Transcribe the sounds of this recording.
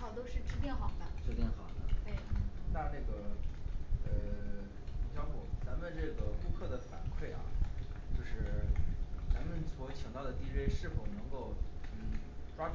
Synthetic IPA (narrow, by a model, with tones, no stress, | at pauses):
ɑ˨˩ʊt̪o˥ʊʂɻ̩˥˩ʈ͡ʂɻ̩˧˥t̪jɛ˥˩nxɑ˨˩ʊfa˥˩˦ʈ͡ʂ̩˧˥t̪jɛ˥˩nxɑ˨˩ʊd̪ə̰˦t̪e˥˩na˥˧na˥˩ɡə˩ | ə˧ | t͡ɕjɑ˥˧ʊxɔ˥˩t͡sa˧˥mə˧˨nʈ͡ʂɤ˥˩ɡə˩ku˥˧kʰɤ˥˩d̪ə˩fa̰˨˩nkʰwe˥˩ɪʔɐ̰˩t͡ɕjo˥˧ʊʂɻ̩˥˩ | t͡sa˧˥nmə˨nswɔ˧˥t͡ɕʰɑ˨˩ŋt̪ɑ˥˩ʊd̪ə˩t̪i˥ɻe˥ɪʂɻ̩˥˩fo˨˩ʊnɤ˧˥ŋko˥˩ʊn̩˥˩ʈ͡ʂwa˥